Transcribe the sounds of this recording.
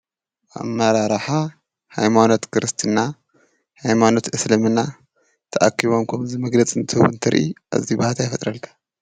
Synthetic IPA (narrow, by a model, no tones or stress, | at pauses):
ʔa̰mɐɾaɾħa | hajmano̞t̪kʰɨɾɨst̪ʰɨnːa | hajmano̞t̪ʔɨslɐmɨnːa | t̪ʰɐʔakʰːiβo̞mkʰɐmzimɐɡlɐt͡sʼɨnt̪ʰɨhwnt̪ʰɐɾʔḭʔa̰zibahat̪ʰajfɐt̪ʼɾɐlkʰḁ